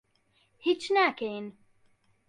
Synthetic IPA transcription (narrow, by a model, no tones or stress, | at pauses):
hit͡ʃnæken